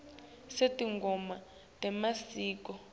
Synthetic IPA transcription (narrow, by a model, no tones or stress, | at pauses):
setʼiŋɡɔma | tɛmasiːkɔ